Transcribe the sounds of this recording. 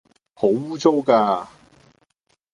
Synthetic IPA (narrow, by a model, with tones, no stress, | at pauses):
ho˨˥wwuː˥t͡so˥wkaː˧